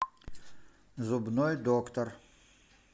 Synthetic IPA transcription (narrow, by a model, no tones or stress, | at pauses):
zʊbnojd̪okt̪ər